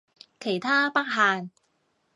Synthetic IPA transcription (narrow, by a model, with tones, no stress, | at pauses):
kʰe˨˩jt̪ʰaː˥pɐ˥k̚ɦaː˨n